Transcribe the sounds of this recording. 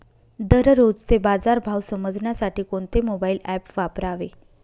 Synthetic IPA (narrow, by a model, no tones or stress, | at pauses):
d̪əɾɾod͡zt͡sebad͡zaɾbʱawsəməd͡zʱɳjasaʈiːkoɳt̪emobaiːlæpʋapɾaʋe